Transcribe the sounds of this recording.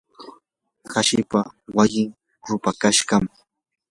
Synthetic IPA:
xaʃɪpawajɪŋ | ɾʊpakaʃɢɑm

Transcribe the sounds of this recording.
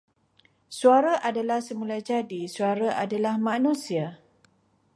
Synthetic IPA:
suaɾaʔadalahsəmulajd͡ʒadisuaɾaʔadalahmãnũsia

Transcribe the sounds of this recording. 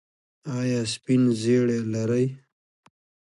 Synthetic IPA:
ɑjɑːspinzeɽelaɾaj

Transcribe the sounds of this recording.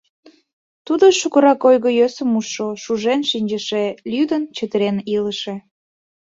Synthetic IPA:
t̪ud̪oʃukəɾɑkojɣəjøsəmuʃːoʃuʒenʃinʲd͡ʑəʃelʲyd̪ənt͡ɕət̪əɾeniləʃe

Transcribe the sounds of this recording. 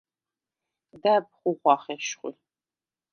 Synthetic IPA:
daːpχʷʊʁʷɑːχeːʃχʷʊ̰

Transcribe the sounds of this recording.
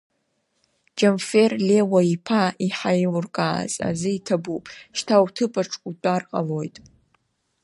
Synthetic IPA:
d͡ʒanfe̞rlewaipʰaiħajlʊrkʼaːza̰zɨitʰabupʼʃtʰawtʰɨpʰʼaʈ͡ʂʼkʷʼutʷʼarqʼa̰lo̞jtʼ

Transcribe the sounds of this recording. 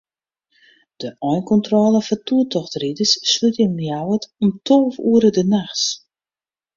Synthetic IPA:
d̥əʔɔjnkɔntrɔːlˠəfɔtuətʰɔxtridəsːlytɪŋnjawətɔmtʰoːfuəɾədənaxs

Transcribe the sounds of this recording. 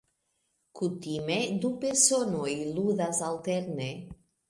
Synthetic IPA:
kut̪imed̪upeɾsonojluðazalt̪eɾne

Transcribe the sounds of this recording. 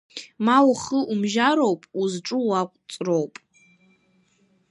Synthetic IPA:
mawχəʔumʒaɾo̞wpʼuzʈ͡ʂʼɨwakʷʼt͡sʼrowpʼ

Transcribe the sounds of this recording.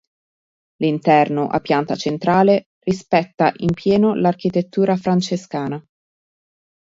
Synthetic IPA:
lint̪ɛrnoʔa̰pːjant̪at͡ʃent̪ɾaːle | rispɛt̪ːaʔimpjɛːnolark̟it̪et̪ːuːɾafɾant͡ʃeskaːna

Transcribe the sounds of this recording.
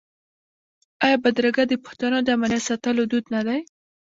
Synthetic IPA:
ajɑbad̪ɾaɡad̪əpʊ̥ht̪anod̪əamalasat̪əlod̪ud̪nad̪aj

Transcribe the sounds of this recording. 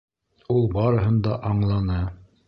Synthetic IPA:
ulˠbɑɾɤ̆ɦɤ̆nd̪ɑʔɑɴlˠɑnɤ

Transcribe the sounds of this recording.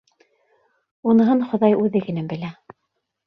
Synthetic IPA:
unɤ̆ɦɤnχŏðɑjʉðɘkɘ̆næmbɘ̆læ

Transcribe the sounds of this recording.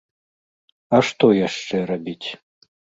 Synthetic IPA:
ɐʂt̪ɔjaʂt͡ʂɛrabʲitʲ

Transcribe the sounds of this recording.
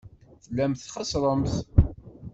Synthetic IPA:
θəlːæmθχɑsɾˤəmθ

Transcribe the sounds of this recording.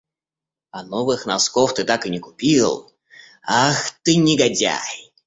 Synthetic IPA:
anɔvɨxnaskɔft̪ɨt̪akɨnʲɪkupʲilˠ | axt̪ɨnʲɪɡadʲa̰j

